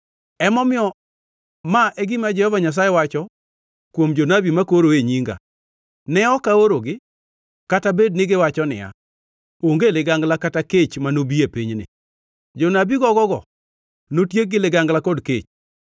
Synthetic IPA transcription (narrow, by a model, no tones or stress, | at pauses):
ɛmɔmɪɔ | maʔɛɡɪmad͡ʒɛhɔvaɲas̬ajɛwat͡ʃɔ | kwomd͡ʒonabimakoɾoeɲiŋɡa̰ | nɛɔkaoɾoɡɪ | katabednɪɡɪwat͡ʃɔnɪ̰a̰ | oŋɡelɪɡaŋɡlakataket͡ʃmanobiepiɲnɪ̰ | d͡ʒɔnabiɡɔɡɔɡɔ̰ | notjeɡɪlɪɡaŋɡlakɔdket͡ʃ